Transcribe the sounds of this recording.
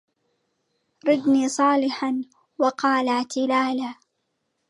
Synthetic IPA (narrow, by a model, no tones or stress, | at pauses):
ɾˤɪd̪niːsˤɑːlɪħan | wɑqɑːlaʕt̪ɪlaːla